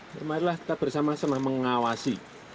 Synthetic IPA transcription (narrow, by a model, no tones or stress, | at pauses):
maɾilahkit̪ab̥ə̤rsamasənahməŋawasi